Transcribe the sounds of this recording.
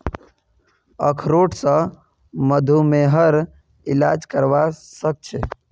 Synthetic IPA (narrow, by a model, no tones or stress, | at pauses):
ə̰kʰɾoʈʰsə̃ | məd̪ʱumeɦəɾ | ilad͡ʒkəɾʋasək̚t͡ʃʰe